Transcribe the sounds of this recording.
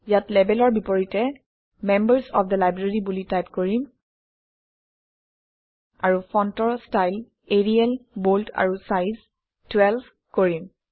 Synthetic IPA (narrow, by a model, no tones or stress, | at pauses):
jatlɛbɛlɔɹbipɔɹitɛ | mɛmbəɹsɔ̰pʰd̪əlajbɹeɹibulitajpkoɹim | aɹufʰɔntɔɹstajl | eɹiɛlbolta̰ɹusajz | twɛlb | koɹim